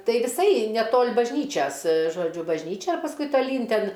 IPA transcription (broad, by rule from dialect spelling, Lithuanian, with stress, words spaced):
ˈtɐɪ ʋʲɪˈsɐɪ nʲɛˈtoːlʲ bɐʒʲˈnʲiːt͡ʃʲɛs ʒoːˈd͡ʒʲʊ bɐʒʲˈnʲiːt͡ʃʲɛ ɪr pɐsˈkʊɪ tɐˈlʲiːn ˈtʲɛn